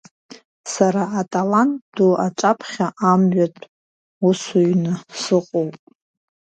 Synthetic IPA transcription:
saɾaːtʼalantduaʈ͡ʂʼapʰχʲaʔamɥatʷʼ | usuɥnɨsɨqʼowpʼ

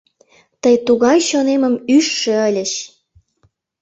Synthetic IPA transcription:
t̪əjt̪uɣɑjɕoneməmyʃːeəlʲəʃ

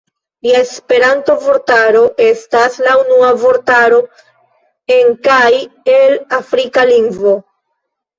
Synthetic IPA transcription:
liae̞spe̞ɾanto̞vo̞ɾtaɾo̞ʔe̞staslaunuavo̞ɾtaɾo̞ | e̞ŋkajelafɾikaliŋɡvo̞

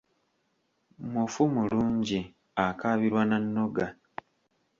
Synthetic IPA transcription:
mufumuluːɲɟi | akaβiɾwananːo̞ɡa

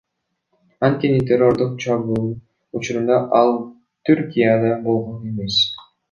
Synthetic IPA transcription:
ɑnt̪̚kʲe̞nit̪ʲʰero̞ɾd̪uq̚t͡ʃʰɑβu | ut͡ʃuɾund̪ɑʔɑlˠ | t̪ʰyɾkʲijad̪ɑbo̞lˠʁone̞me̞s

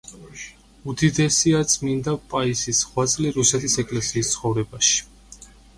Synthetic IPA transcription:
ud̪id̪ɛsiat̪sʰmind̪apʼaisisʁwat̪sʼliɾusɛt̪ʰisɛkʼlɛsiːst̪sʰχɔvɾɛbaʃi̥

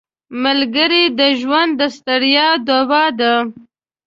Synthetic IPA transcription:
malɡəɾid̪əʒwand̪ːəst̪aɽjɑd̪obɑd̪a

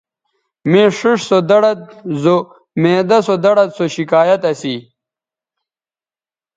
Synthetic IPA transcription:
mẽːʂiʂsod̪ɐɽɐt̪̚zo | mẽːd̪ɐsod̪ɐɽɐt̪soɕikaːjɐt̪ɐsi

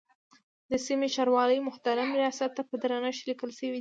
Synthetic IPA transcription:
d̪əsimeʃɑɾwɑləjmʊxt̪aɾamɾijɑsat̪ːapəd̪ɾanaʃlikəlʃəwi

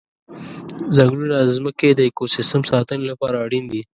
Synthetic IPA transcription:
zaɡlunazməked̪əekosɪstəmsɑt̪ənelapɑɾaːɽind̪i

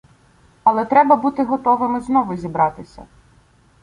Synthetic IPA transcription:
ɐlˠɛt̪ɾɛbɐbut̪ɪɦɔt̪ɔʋɪmɪznɔʋʊzʲibɾɑt̪ɪsʲɐ̰

